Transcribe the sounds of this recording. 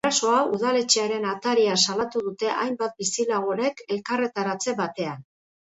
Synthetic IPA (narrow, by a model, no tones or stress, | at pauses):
aso̞auðale̞t͡ʃeaɾe̞nat̪aɾiasalat̪uð̞ut̪e̞ʔajmbat̪̚bisilaɣ̞oɾe̞ke̞lkare̞t̪aɾat͡se̞βat̪e̞an